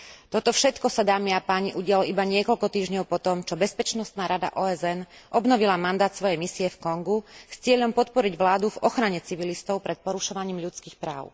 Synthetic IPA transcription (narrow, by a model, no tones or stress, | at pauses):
t̪ɔt̪ɔfʃɛt̪kɔsad̪aːmiapaːɲiʔuɟɪalɔʔibaɲɪɛkɔʎkɔt̪iːʒɲɔʊpɔt̪ɔmt͡ʃɔbɛspɛt͡ʃnɔst̪naːɾad̪a̰ʔɔːɛzɛnʔɔbnɔʋilamand̪aːt̪sʋɔjɛjmisiɛfkɔŋɡust͡sɪɛʎɔmpɔt̪pɔɾiɟʋlaːd̪uvɔxɾaɲɛt͡siʋilist̪ɔʊpɾɛt̪̚pɔɾuʃɔʋaɲiːmʎut͡skiːxpɾa̰ːʊ